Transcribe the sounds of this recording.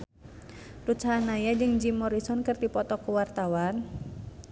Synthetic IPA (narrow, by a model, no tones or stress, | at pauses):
rut͡ʃaanajad͡ʒɨŋd͡ʒimɔɾisɔnkərd̪ipɔt̪ɔkuwart̪awan